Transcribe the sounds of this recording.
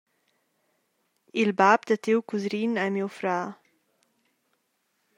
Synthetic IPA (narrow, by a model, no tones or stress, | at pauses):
ilbapd̪ət̪ewkuzɾinɛmiwfɾaː